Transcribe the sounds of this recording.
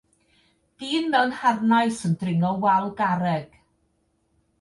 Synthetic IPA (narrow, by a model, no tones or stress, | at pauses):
d̥iːnmɛwnharnajsəndrɪŋɔwɛlˠɡaɾɛɡ̥